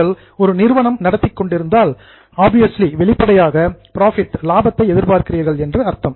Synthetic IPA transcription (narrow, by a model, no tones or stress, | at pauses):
ɐɭ | ɔɾɯnɪɾʋɐnɐmnɐɽɐt̪ːɪkːɔɳɖɪɾɯnd̪aːl | aːbɪjɐsliʋɛɭɪpːɐɽɐjaːɣɐpɪɾaːfɪʈ̪laːbɐt̪ːɐɪɛðɪɾpaːɾkɪriːɐɾɣɐɭɛndrɯɐɾt̪ɐm